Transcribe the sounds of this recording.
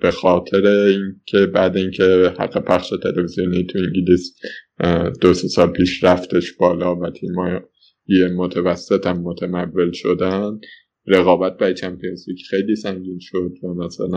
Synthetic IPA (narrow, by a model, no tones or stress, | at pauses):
b̥e̞xɒːt̪ʰe̞ɾeincʲʰe̞bæːd̪æiŋcʰe̞hæ̰ɡːe̞pʰæxʃet̪ʰe̞levizijonit̪ʰuiŋɟilis | d̪̥osesɒːlpʰiːʃɾæft̪e̞ʃb̥ɒːlɒːvæt̪ʰiːmɒːj | emot̪ʰævæsːet̪ʰæmːot̪ʰæmævːe̞lʃod̪æn | ɾeɣɒːbæt̪̚bæt͡ʃʰæmpʰijenzlicxejliːsæŋɟiːnʃo̞d̪væmæsæ̰læ